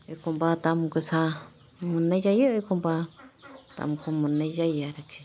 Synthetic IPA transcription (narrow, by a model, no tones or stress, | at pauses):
ikumbat̪amukɨsa | munːejajeikomba | t̪a̰mukʰumunejajaɾakʰi̥